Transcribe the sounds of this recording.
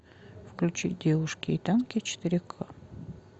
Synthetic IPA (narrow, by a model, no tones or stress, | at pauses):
fklʲʉt͡ɕit̚ʲdʲevʊʂkʲɪːt̪ankʲɪt͡ɕɪ̥t̪ɨɾʲɪkʰa